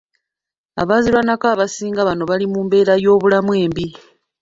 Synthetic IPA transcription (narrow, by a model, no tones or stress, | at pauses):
a̰βazilwanakaβasiːŋɡaβano̞βalimumbe̞ːɾajo̞ːβulamwe̞ːmbi